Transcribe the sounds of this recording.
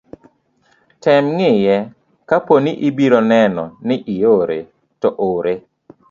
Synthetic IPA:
tɛmŋɪjɛ | kaponiʔibiɾonɛnɔnɪʔijoɾḛ | tɔʔoːɾe

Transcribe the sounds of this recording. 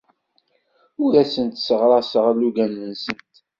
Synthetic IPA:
ʊɾæsənt̪səʁɾˤɑsəʁæluɡænːənsənt̪

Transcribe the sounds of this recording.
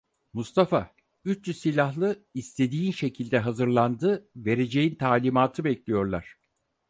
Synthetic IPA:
must̪ʰafa | yt͡ʃt͡ʃysilʲahlˠɯist̪ʰe̞d̪iːnʃe̞cʰilʲd̪ɛɦazɯɾlˠand̪ɯve̞ɾe̞d͡ʒe̞jint̪ʰaːlʲimaːt̪ʰɯbɛclʲijo̞ɾlˠaɾ̥

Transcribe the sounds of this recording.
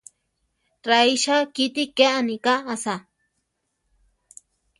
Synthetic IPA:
ɾaiʃakit̪ikeʔanikaːsa

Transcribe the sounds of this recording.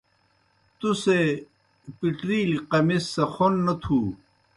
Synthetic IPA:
t̪use | piʈɾiːliqɐmisːɐxonːɐt̪ʰu

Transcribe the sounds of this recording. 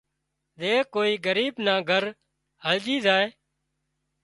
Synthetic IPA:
zeːkoːiːɡəɾiːbnaːɡʱəɾ | həld͡ʒiːzaːeː

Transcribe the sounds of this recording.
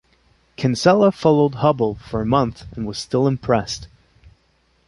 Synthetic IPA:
kʰɨ̃nsɛlˠəfɑlˠoʊd̚hʌbl̩ˠfə˞ɨmʌ̃nθɨ̃nwʌz̥stɪlˠə̃mpʰɹ̥ɛst

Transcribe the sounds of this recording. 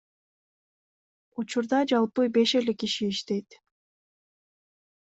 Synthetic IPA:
ut͡ʃuɾd̪ɑd͡ʒɑlˠpɯbe̞ʃe̞le̞kiʃiːʃt̪e̞jt̪

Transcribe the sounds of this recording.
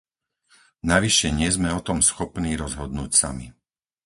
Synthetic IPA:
naʋiʃɛɲɪɛzmɛɔt̪ɔmsxɔpniːɾɔzɦɔd̪nuːcsa̰mḭ

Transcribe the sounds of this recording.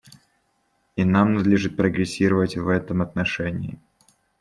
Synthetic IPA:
inamnɐd̪lʲɪʐɨt̪̚pɾəɡɾʲɪsʲiɾəvətʲvɛt̪əmɐt̪nɐʂɛnʲɪː

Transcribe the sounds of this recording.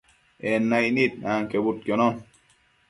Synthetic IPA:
enːajnit̪̚naːŋkebut̪̚keno

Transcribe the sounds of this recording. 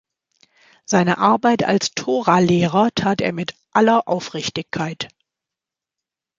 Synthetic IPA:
z̥aɪnəʔaɐbaɪtʰa̰lstʰoːʁaleːʁɐtʰaːteːɐmɪtʔalɐʔaʊfʁ̥ɪçtɪçkʰːaɪt

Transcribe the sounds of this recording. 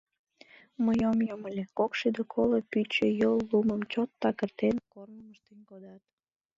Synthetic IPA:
məjomjoməlʲekokʃed̪okʰolopyt͡ɕejolːuməmt͡ɕot̪ːɑkərt̪enkorməməʃt̪enʲkod̪ɑt̪

